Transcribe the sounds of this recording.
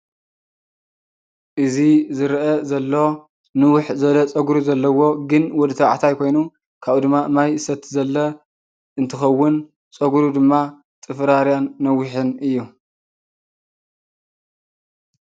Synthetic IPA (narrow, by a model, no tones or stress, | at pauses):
ʔɨzizɨɾʔɐzɐlːo̞ | nɨwʊħzɐβlɐt͡sʼɐɡɾuzɐlːɐwo̞ɡɨnwɔd̪ɨt̪ʰɐwʕat̪ʰajkʰo̞jnu | kʰaβud̪ɨmːamajɨsɐt̪zɐlːɐ | ɨnt̪ʰɨxɐwːʊn | t͡sʼɐɡuɾud̪ɨmːa | t̪ʼɨfɾaɾjanːɐwʊħɨnɨjːu